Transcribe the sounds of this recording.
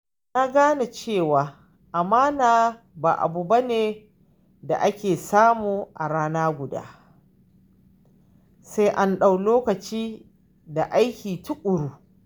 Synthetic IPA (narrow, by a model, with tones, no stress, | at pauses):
na˦ɡaː˦na˨t͡ʃeː˦˨waː˨ | ʔa˨maː˦naː˨ | ba̰ː˨ʔa̰˨bu˨ba˦neː˨ | da̰˨ʔa˦kʲeː˨saː˦muː˨ʔa̰˨ɽaː˦naː˦ɡʷʊ˨da̰ː˦ | sa˦jʔa˦nɗa˦˨wloː˦kɐ˨t͡ʃiː˦ | da˨ʔa˦jkʲiː˨tʊ˦kʷʼʊ˨ɾuː˦